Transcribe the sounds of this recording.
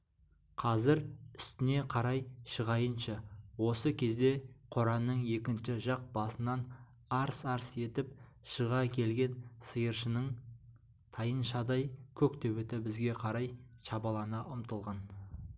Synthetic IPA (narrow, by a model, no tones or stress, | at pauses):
qʰɑzɪɾʏ̥st̪ɪne̞qʰɑɾɑjʃəʁɑjənʃɑwo̞səkʲʰe̞zd̪e̞qʰoɾɑnːəɴje̞kʲɪnʃɪʒɑq̚bɑsənɑn | ɑɾsɑɾse̞t̪ɪp̚ | ʃəʁɑkʲʰe̞lɡʲe̞nsəjəɾʃənəɴ | t̪ʰɑjənʃɑd̪ɑjkʲʰɵkt̪ʰɵβet̪ɪbɪzɡʲe̞qʰɑɾɑjʃɑbɑlˠɑnɑʔʊmt̪əlˠʁɑn